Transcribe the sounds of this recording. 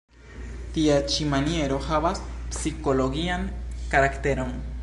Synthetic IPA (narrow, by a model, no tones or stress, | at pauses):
t̪iat͡ʃimanjeɾoxaβaspsikoloɣiaŋkaɾakt̪eɾon